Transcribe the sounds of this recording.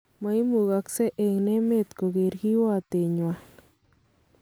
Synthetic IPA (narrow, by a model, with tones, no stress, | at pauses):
ma˨i˦mu˨ɣa˨kse˦ʔe˨ŋne˦me˦t̪ko˨ɣe˨ɾɡi˦wa˦t̪e˨ɲwa˨